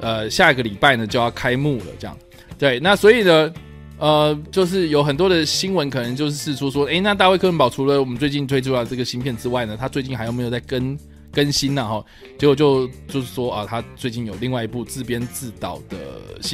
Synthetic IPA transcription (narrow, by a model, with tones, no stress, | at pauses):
ə˨ɕja˥˩˨ɡə˩li˨˩pa˥˩ɪnə˩t͡ɕjo˥˧ʊjɑ˥˩ʊkʰa˥ɪmu˥˩lə̰˩ʈ͡ʂɤ˥jɑ̰˥˩ŋ | t̪we˥˩ɪna˥˩swɔ˧˥i˨˩nə˦ | ə˨t͡ɕjo˥˧ʊʂ̬ɻ̩˥˩jo˨˥ʊxə˨˩nt̪wɔ˦˥d̪ə˨ɕi˥nwə˧˦nkʰɤ˨˩nə˧˦ŋt͡ɕjo˥˧ʊʂ̬̩˥ʂɻ̩˥˩ʂwɔ˥ʂwɔ˥e˥˩ɪna˥˧t̪̬a˥˧we˥˩ɪkʰnpɑ˨˩ʊʈ͡ʂʰu˧˥lə˨wɔ˨mə˦nt͡swe˥˧ɪt͡ɕi˥˩nt̪ʰwe˥ɪʈ͡ʂʰu˥˩lʈ͡ʂɤ˥˩ɡə˩ɕi˥npʰjɛ˥˩nʈ͡ʂɻ̩˥wa˥ɪnə˩t̪ʰa˥t͡swe˥˧ɪt͡ɕi˥˩nxa˧˥jo˨˩m˧˥jt͡s̬ʰa˥˩kə˦˥n | kə˦nɕi˦˥nna˨xɔ˥˩ | t͡ɕjɛ˧˥kwo˨˩t͡ɕjo˥˧ʊt͡ɕjo˥˧ʊʂ̬ɻ̩˥˩ʂwɔ˥ʔə˨˩t̪ʰa˥t͡swe˥˧ɪt͡ɕi˥˩njo˨˩ʊli˥˧ŋwa˥˩ɪi˧˥pu˥˧t͡sɹ̩˥˩pjɛ˥nt͡sɹ̩˥˩t̪ɑ̰˨˩ʊd̪̥ə̰˩ɕ